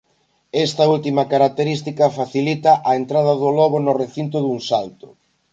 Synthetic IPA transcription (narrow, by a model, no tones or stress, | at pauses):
ɛst̪ɐult̪imɐkaɾak̚t̪eɾist̪ikɐfaθilit̪ɐʔɐent̪ɾað̞ɐðʊlɔβʊnʊreθint̪̬ʊðuŋsalt̪ʊ̥